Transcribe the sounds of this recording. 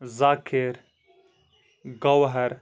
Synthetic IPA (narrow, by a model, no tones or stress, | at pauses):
zaːkʰɪɾ | ɡɐwɦɐɾ